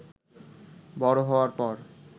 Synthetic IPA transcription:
bɔɾoɦɔoaɾpɔɾ

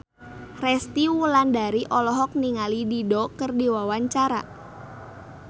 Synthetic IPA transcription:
rɛst̪iwulandaɾiʔɔlɔɦɔk̚niŋalididɔkərdiwawaɲt͡ʃaɾa̰

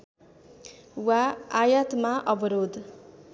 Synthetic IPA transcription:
waːjʌt̪maʔʌbʌɾod̪

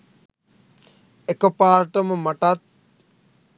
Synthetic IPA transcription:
ekəpaːɾʈəməmaʈat̪̚

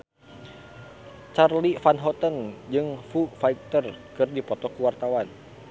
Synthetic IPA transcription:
t͡ʃarlifanɦɔt̪ənd͡ʒɨŋfufaik̚t̪ərkɨrdipɔt̪ɔkuwart̪awan

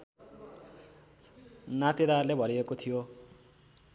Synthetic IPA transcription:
nat̪id̪arlebʱʌɾiekot̪ʰijo

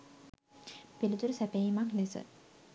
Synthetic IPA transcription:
pilit̪uɾəsæpeimaklesə̰

